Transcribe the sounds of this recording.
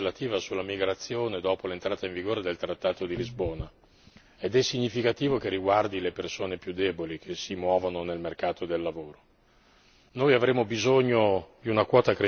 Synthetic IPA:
lat̪iːvasulːamiɡɾat̪sːjoːned̪ɔːpolent̪ɾaːt̪aiɱviɡoːɾed̪elt̪ɾat̪ːaːt̪od̪ilizboːna | ed̪ɛsːiɲːifikat̪iːvokerːiɡward̪ilepersoːnepjud̪ːeːbolik̟ʰesimwɔːvononelmerkaːt̪od̪elːavoːɾo | nojavɾeːmobizoɲːod̪iunakwɔːt̪akɾe

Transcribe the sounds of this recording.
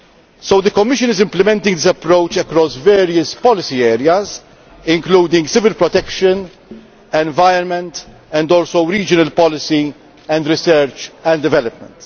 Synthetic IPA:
sowd̪əkɔmːɪʃə̃nɪzɪ̃mplɪmɛ̃nt̪ɪŋɡd̪ɪsɐpɾowt͡ʃɛkɾɔsvɛːɾiəspɔlɪsiɛːɾjɐz | ɪ̃ŋkluːd̪ɪ̃ŋɡsɪvɪlpɾɔt̪ɛkʃə̃n | ɛ̃nvajənmɛ̃nt̪ | ɛ̃nd̪ɔːlsowɾiːd͡ʒənɐlpɔlɪsi | ɛ̃nd̪ɾɪsɛɾt͡ʃɛ̃nd̪ɪvɛlɔp̚mə̃nt̪

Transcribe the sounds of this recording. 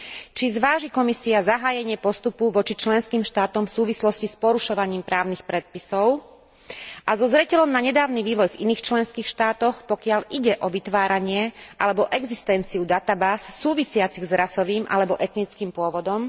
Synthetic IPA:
t͡ʃizʋaːʒikɔmisiazaɦaːjɛɲɪɛpɔst̪upuʋɔt͡ʃit͡ʃlɛnskiːmʃt̪aːt̪ɔmfsuːʋislɔscispɔɾuʃɔʋaɲiːmpɾaːʊnixpɾɛt̪̚pisɔʊ | ʔazɔzɾɛcɛlɔmnaɲɛd̪aːʊniʋiːʋɔjvḭniːxt͡ʃlɛnskiːxʃt̪aːt̪ɔxpɔkɪalʔiɟɛʔɔʋit̪ʋaːɾaɲɪɛʔa̰lɛbɔʔɛɡzist̪ɛnt͡siud̪at̪abaːsːuːʋisɪat͡siɣzɾasɔʋiːmʔa̰lɛbɔʔɛt̪nit͡skiːmpʊɔʋɔd̪ɔm

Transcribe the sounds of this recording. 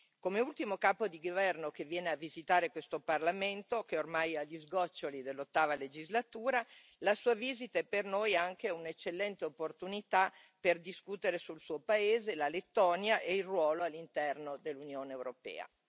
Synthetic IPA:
komeult̪imokaːpod̪iɡovɛrnokevjɛːneavizit̪aːɾekwest̪oparlament̪ok̟eormajaʎːizɡɔt͡ʃːolid̪elːot̪ːaːvaled͡ʒizlat̪uːɾa | lasuːaviːzit̪aɛpernojaŋkeɛunet͡ʃːelːɛnt̪eopːort̪unit̪a | perd̪iskut̪eɾesulsuːopaeːzelalet̪ːɔːnjaʔeilrwɔːloalːint̪ɛrnod̪elːunjoːneeːwɾopɛ̰ːa̰

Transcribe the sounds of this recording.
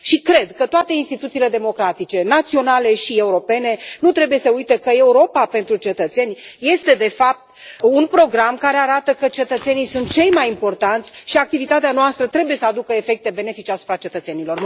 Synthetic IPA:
ʃikɾe̞d̪kət̪oat̪e̞inst̪it̪ut̪sile̞d̪e̞mo̞kɾat̪it͡ʃe̞nat̪sio̞nale̞ʃie̞uɾo̞pe̞ne̞nut̪ɾebuje̞səujt̪ekəe̞uɾo̞pape̞nt̪ɾut͡ʃe̞t̪ət̪se̞nʲje̞st̪e̞d̪e̞fap̚t̪unpɾo̞ɡɾamkaɾe̞aɾat̪əkət͡ʃe̞t̪ət̪se̞nijsunt̪̚t͡ʃe̞jmajimpo̞rt̪ant̪ʲʃiak̚t̪ivit̪at̪eanoast̪ɾət̪ɾe̞buje̞səad̪ukəefe̞k̚t̪e̞be̞ne̞fit͡ʃeasu̥pɾat͡ʃe̞t̪ət̪se̞nilo̞r

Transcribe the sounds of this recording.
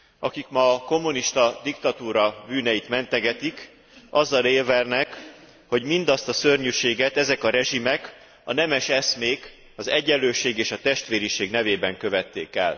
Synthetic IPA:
ɒkikmɒːko̞mːuniʃt̪ɒd̪ikt̪ɒt̪uːɾɒbyːnɛjit̪mɛnt̪ɛɡɛt̪ik | ɒzːɒleːlvɛrnɛk | ho̞ɟmind̪ɒst̪ɒsørɲyʃeːɡɛt̪ɛzɛkɒɾɛʒimɛk | ɒnɛmɛʃɛsmeːk | ɒzɛɟːɛlːøːʃeːɡeːʃɒt̪ɛʃt̪ʋeːɾiʃeːɡnɛveːbɛŋkøvɛt̪ːḛːkɛ̰l

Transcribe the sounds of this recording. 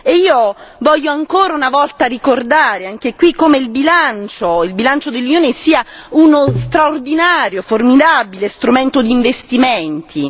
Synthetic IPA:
eiːovɔʎːoaŋkoːɾaunavɔlt̪arikord̪aːɾeaŋk̟ekwikːomeilbilant͡ʃoilbilant͡ʃod̪elːunjoːnesiːaunost̪ɾaord̪inaːɾjoformid̪abilest̪ɾument̪od̪iːɱvest̪iment̪ʰi

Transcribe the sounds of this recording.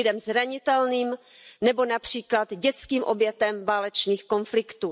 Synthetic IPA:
ɪdɛmzɾaɲɪt̪ɛlniːm | nɛbo̞napr̝̥iːklad̪ɟɛt͡skiːmʔobjɛt̪ɛmvaːlɛt͡ʃniːxko̞nflɪkt̪u

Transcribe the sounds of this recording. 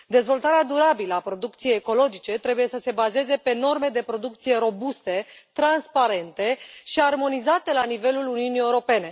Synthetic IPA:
d̪e̞zvo̞lt̪aɾead̪uɾabiləapɾo̞d̪uk̚t̪sijejːko̞lo̞d͡ʒit͡ʃe̞t̪ɾe̞buje̞səse̞baze̞ze̞pe̞no̞rme̞d̪e̞pɾo̞d̪ukt̪sije̞ɾo̞bust̪e̞t̪ɾanspaɾe̞nt̪e̞ʃiarmo̞nizat̪e̞lanive̞luluniunieuɾo̞pe̞ne̞

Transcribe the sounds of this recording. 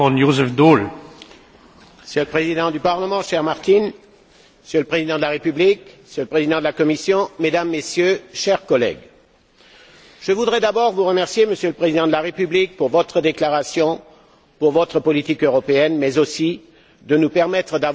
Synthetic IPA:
ɔ̃jozɛfd̪ol | məsjøləpχezid̪ɑ̃d̪ypaʁləmɑ̃ʃɛʁmaʁt̪in | məsjøləpχezid̪ɑ̃d̪əlaʁepyblikməsjøləpχezid̪ɑ̃d̪əlakɔmisjɔ̃med̪amːesjøʃɛʁkɔlɛ̰ɡ | ʒ̥əvud̪ʁɛd̪abɔʁvuʁəmɛʁsjeməsjøləpχezid̪ɑ̃d̪əlaʁepyblik̚puʁvɔt̪χəd̪eklaʁasjɔ̃ | puʁvɔt̪χəpɔlit̪ikøʁɔpeɛnmɛzosi | d̪ənupɛʁmɛt̪χəd̪av

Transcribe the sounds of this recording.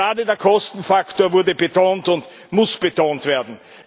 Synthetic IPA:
aːdədeːɐkʰɔstn̩faktoːɐvʊɐdəbətʰoːntʊnt | mʊsb̥ətʰoːntv̥eːɐdn̩

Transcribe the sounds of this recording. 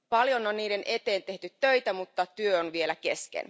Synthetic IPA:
pɑljononːniːde̞nʔe̞t̪e̞ːnt̪e̞ht̪yt̪ːøjt̪æmut̪ːɑt̪yøonʋie̞læke̞skḛn

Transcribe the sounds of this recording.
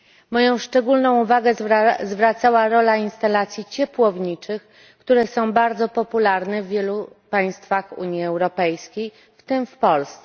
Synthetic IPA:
mɔjɔ̃w̃ʂt͡ʂɛɡulnɔ̃w̃uvaɡɛzvɾat̪sawaɾɔlainst̪alat̪sʲjit͡ɕɛpwɔvɲit͡ʂɘx | kt̪uɾɛsɔ̃w̃baɾd̪zɔpɔpulaɾnɛvʲːjɛlu | paj̃st̪faxṵɲjiɛwɾɔpɛjskʲej | ft̪ɘmfpɔlst̪s

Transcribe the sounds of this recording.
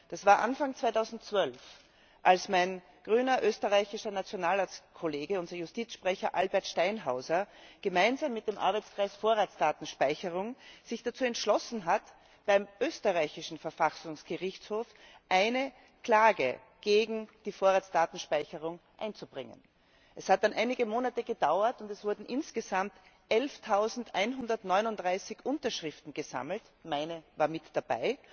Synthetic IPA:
d̥asv̥aːɐʔa̰nfaŋt͡sv̥aɪtʰaʊzn̩tt͡sv̥œlf | ʔalsmaɪn | ɡ̥ʁyːnɐʔøːstəʁaɪçɪʃɐnat͡sjonaːlaːtskʰoleːɡəʊnzɐjʊstiːt͡sʃpʁ̥ɛçɐʔalbɛɐtʃtaɪnɦaʊzɐɡ̥əmaɪnzaːmːɪt̚d̥eːmʔa̰ɐbæɪt͡skʁ̥aɪsfoːɐʁaːt͡sd̥aːtn̩ʃpaɪçəʁʊŋz̥ɪçd̥at͡suːɛntʃlɔsn̩ɦat | b̥aɪmʔøːstəʁaɪçɪʃn̩fɛɐfasʊŋsɡ̥əʁɪçtshoːf | ʔaɪnə | kl̥aːɡə̰ | ɡ̥eːɡŋ̩d̥iːfoːɐʁaːt͡sd̥aːtn̩ʃpaɪçəʁʊŋʔa̰ɪnt͡sub̥ʁɪŋə̰n | ʔɛshat̚d̥anʔaɪnɪɡəmoːnatəɡədaʊɐtʊntɛsv̥ʊɐdn̩ʔɪnsɡ̥əzamt | ʔɛlftʰaʊzn̩tʔaɪnɦʊndɐtnɔʏnʊntd̥ʁaɪsɪçʔʊntɐʃʁɪftn̩ɡ̥əza̰ml̩t | maɪnəvaːɐmɪtd̥ab̥a̰ɪ

